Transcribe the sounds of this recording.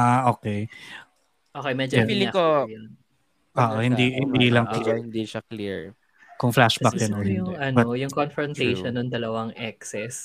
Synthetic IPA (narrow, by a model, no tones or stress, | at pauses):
aʔoːkɛj | ʔoːkejmɛd͡ʒʊilɪkojn | ʔoːʔohɪnd̪ihɪnd̪iːlɐŋklhɪnd̪iʃakliɹ | kʊŋflaʃbɐkjɐnoɪd̪ŋɛʔɐnbɐojʊŋkonfɾɔnt̪ejʃonːoŋd̪ɐlɐwaŋʔɛksɛs